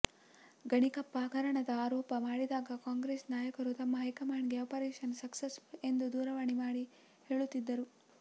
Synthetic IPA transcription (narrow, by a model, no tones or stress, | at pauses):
ɡɐɳikɐpːaːkɐɾɐɳɐd̪ɐaːɾɔːpɐmaːɽid̪aːɡɐkaːŋɡɾeːsnaːjɐkɐɾut̪ɐmːɐɦɐjkɐmaːɳɡeɐpɐɾeːʃɐnsɐksese̞nd̪ud̪uːɾɐʋɐɳimaːɽi | he̞ːɭut̪ːid̪ːɐɾu